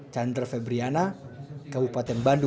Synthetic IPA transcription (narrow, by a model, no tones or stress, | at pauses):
t͡ʃand̪rfɛbɾianakabupat̪ɛnbandu